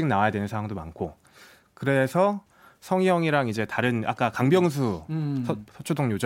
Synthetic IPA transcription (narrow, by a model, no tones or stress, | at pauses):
iɡnawajadwenɯnsʰawaŋdoma̰nkʰo | kɯɾe̞sʰʌ | sʰʌŋjʌŋiɾaŋid͡ʑe̞taɾɯna̰k͈akaŋbjʌŋs̬ʰusʰʌsʰʌt͡ɕʰodoŋjod͡ʑ